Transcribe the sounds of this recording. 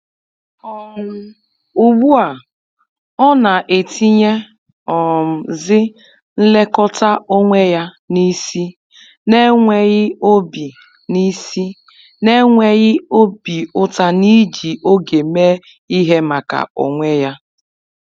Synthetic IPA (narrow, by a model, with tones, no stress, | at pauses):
ɔ˨ŋʊ˦ | u˨ɡ͡bu˦a˨ | ɔ˦na˨ʔe˨ti˦ɲe˦ | ɔ˨m̩˨zɪ˦ | n̩˦le˦kɔ˦ta˦o˦ŋʷe˦ja˦ | ni˦si˦ | ne˦ŋʷe˨ɣɪ˦o˦bi˨ | ni˦si˦ | ne˦ŋʷe˦ɣɪ˦o˦bi˨ʊ˦ta˦ni˦d͡ʒi˨ʔo˦ɡe˨me˦ | i˦ɦe˦ma˨ka̰˨o̰˨ŋʷe˦ja˦